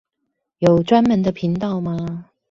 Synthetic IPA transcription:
jo˨˩ʊʈ͡ʂwa˥nmə˨˥nd̪ə˧pʰi˧˥ŋt̪ɑ˥˨ʊma˧

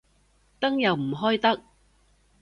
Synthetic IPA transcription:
t̪ɐ˥ŋjɐ˨wm̩˨˩ɦɔː˥jt̪ɐ˥k̚

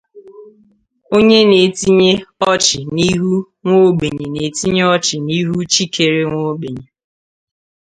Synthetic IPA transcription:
o˦ɲe˦ne˨ti˦ɲe˦ɔ˦t͡ʃɪ˨ni˦ɦu˦ | ŋʷo˦ɡ͡be˨ɲe˨ne˨ti˦ɲe˦ɔ˦t͡ʃɪ˨ni˦ɦu˦t͡ʃi˦ke˨ɾe˦ŋʷo˦ɡ͡be˨ɲe˨

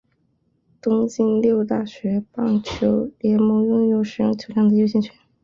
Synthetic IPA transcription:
t̪ʊ˥ŋt͡ɕi˥nljo˥˧ʊt̪a˥˩ɕɥɛ˧˥pɑ˥˩ŋt͡ɕʰjo˧˥ʊljɛ˧˥mɔ˧˥jʊ˥ŋjo˥ʊʂɻ̩˧˥jʊ˥˩ŋt͡ɕʰjo˧˥ʊjɑ˥ŋd̪ə˩jo˥ɕjɛ˥˩nt͡ɕʰɥɛ˧˥n

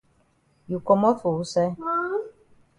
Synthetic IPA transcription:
ju˨kɔ˧mɔ˦tu˨u˦sɛ˦

